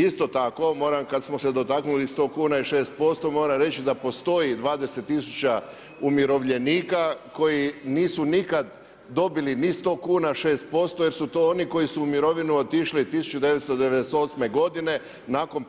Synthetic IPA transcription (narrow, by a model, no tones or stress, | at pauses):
ist̪o̞t̪ako̞mo̞ːɾamkad̪smosed̪o̞t̪aknulist̪o̞ːkuːnaiʃe̞ːst̪̚po̞st̪o̞moːɾamɾe̞t͡ɕid̪apo̞st̪o̞jid̪ʋaːd̪e̞se̞t̪ːisut͡ɕa | umjiɾo̞ʋʎe̞niːkako̞jiniːsunikad̪ | d̪o̞bilinist̪o̞ːkuːnaʃe̞ːst̪̚po̞st̪ojeɾsut̪oːoniko̞isuːmiɾo̞ʋinuot̪iʃlit̪isu̥t͡ʃud̪eʋet̪st̪od̪eʋed̪eseo̞t̪sme̞ɡo̞d̪ine̞ | naːko̞n